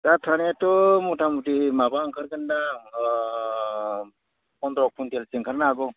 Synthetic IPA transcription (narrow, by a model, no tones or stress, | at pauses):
datʰanatɔmutʰamutimabaŋkʰaɾkanda | kɔnd̪ɾɔk̚pʰuntelseŋkʰaɾnaɡɔ